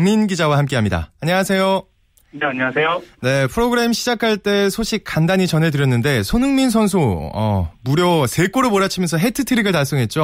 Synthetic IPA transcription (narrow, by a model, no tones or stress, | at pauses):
ŋminɡid͡ʑawahamk͈e̞ɦamɲida̰aɲʌŋasʰe̞jo | neaɲʌŋasʰejone̞pʰɯɾoɡɯɾe̞mɕʰid͡ʑakʰaɭt͈e̞sʰoɕʰik̚k͈andaɲit͡ɕʌnɦe̞dɯɾjʌnːɯnde̞sʰonɯŋmins̬ʰʌnsʰoʌ̰muɾjʌse̞k͈oɾɯmoɾat͡ɕʰimjʌnsʰʌɦe̞tʰɯtʰɯɾiɡɯɭtaɭs͈ʌŋɦe̞t̚t͡ɕ͈o